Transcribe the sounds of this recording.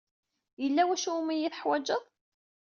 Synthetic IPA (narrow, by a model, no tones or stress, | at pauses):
jəlːæwæʃumijiθəħwæd͡ʒːəðˤ